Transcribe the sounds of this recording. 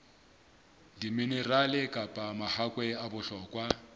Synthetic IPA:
diminɛralɪkʼapʼamahakʼwɛabʊɬɔkʼwa

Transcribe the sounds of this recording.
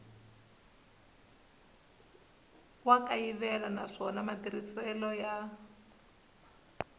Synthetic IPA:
wakaiβɛlanaʂɔnamadirisɛlɔja

